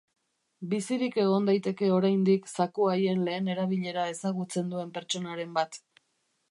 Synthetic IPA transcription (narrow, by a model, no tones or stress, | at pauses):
bisiɾike̞ɣ̞o̞nd̪ajt̪e̞ke̞o̞ɾajnd̪iksakuaje̞nle̞ːne̞ɾaβ̞iʎe̞ɾae̞saɣut͡se̞nd̪ue̞mpe̞ɾt͡ʃo̞naɾe̞mbat̪